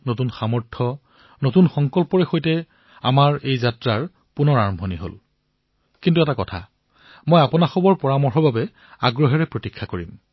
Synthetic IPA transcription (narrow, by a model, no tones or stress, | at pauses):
notunxamɔɹtʰɔ | notunxɔŋkɔlpɔɹɛxojtɛ | a̰maɹejzatɹaɹ | punɔɹaɹmbʱoniɦo̰l | kintuɛtakɔtʰa̰ | mojapɔnaxɔbɔɹpɔɹamɔɹɦɔbabɛ | a̰ɡɹɔɦɛɹɛpɹotikʰːakoɹḭm